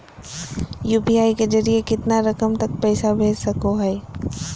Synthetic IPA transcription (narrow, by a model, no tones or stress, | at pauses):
juːpiaːiked͡ʒɐɾiekɪt̪naɾɐkəmt̪ɐk̚pɛːsabʱeːd͡ʒsɐkoɦɛː